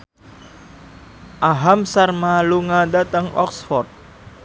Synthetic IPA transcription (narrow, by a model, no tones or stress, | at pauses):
ʔaɦamsarmaluŋadat̪əŋʔɔ̰ksfɔrt̪̚